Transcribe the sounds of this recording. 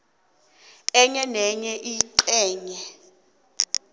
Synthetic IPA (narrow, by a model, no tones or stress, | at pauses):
ɛɲɛnɛɲɛʔiːǀɛːɲɛ